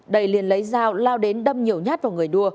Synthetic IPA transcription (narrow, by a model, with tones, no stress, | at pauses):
ɗə˨˩jli˨˩ənlə˨˦jzaː˧˩wlaː˧wɗe˨˦nɗə˧mɲi˨˩əwɲaː˦˥t̚vaː˨˩ŋɨ˨˩əjɗu˧ə